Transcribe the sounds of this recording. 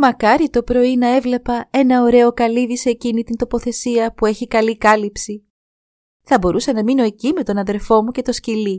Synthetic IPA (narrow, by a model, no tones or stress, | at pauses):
mɐkɐɾit̪o̞pɾo̞inɐe̞vle̞pɐe̞nɐo̞ɾe̞o̞kɐliðiseːcinit̪int̪o̞po̞θe̞siɐpue̞çikɐlikɐlipsi | θɐbo̞ɾusɐnɐmino̞e̞cime̞t̪o̞nɐðe̞lfo̞muce̞t̪o̞scili